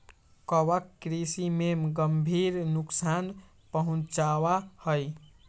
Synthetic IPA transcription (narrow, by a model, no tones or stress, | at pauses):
kɔwəkːɾisimemɡəmbʱiɾnuksan | pəɦũt͡ʃawahəj